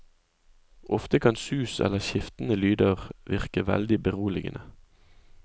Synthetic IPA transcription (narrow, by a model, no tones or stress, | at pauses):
ʔɔft̪əkʰɑnsʉːsɛ̰ləʁçɪft̪n̩əlyːd̪əʁʋɪʁkəʋɛ̰ld̪ɪbəʁuːlɪɡə̰nʔə